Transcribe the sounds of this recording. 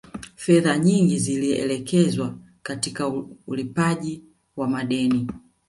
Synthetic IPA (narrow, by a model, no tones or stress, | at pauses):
fɛðaɲiŋɡiziliɛ̰lɛkɛzwa | katikaulipaʄi | wamaɗɛni